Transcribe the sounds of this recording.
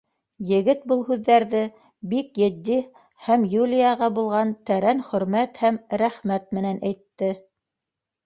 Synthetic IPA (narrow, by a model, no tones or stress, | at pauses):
jɘ̆ɡɘt̪̚bɤlˠɦʉðːæɾðɘ | bikjɘ̆d̪ːi | hæmjulʲijɑʁɑbulˠʁɑnt̪æɾænχɵ̆ɾmæt̪hæmɾæχmæt̪̚mɘ̆nænʔæjt̪ːɘ